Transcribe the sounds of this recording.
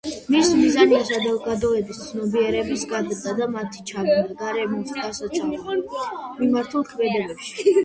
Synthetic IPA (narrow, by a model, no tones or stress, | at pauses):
mismizaniasad̪ɛlˠɡad̪ɔɛbist̪sʰnɔbiɛɾɛbisɡad̪ɾd̪ad̪amat̪ʰi̥t͡ʃʰad̪naɡaɾɛmɔsɡasat̪ʰa | mimaɾt̪ʰulˠkʰmɛd̪ɛbɛpʃi̥